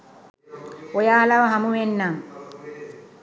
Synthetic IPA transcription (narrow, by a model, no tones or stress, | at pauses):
ojaːlɐʋɐɦɐmuʋenːaŋ